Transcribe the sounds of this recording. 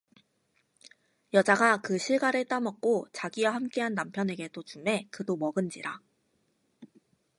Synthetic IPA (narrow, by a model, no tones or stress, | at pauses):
jʌd͡ʑaɡakɯɕʰiɭɡaɾɯɭt͈amʌk̚k͈ot͡ɕaɡiwahamk͈e̞ɦanːampʰjʌne̞ɡe̞dot͡ɕume̞kɯdomʌɡɯnd͡ʑiɾa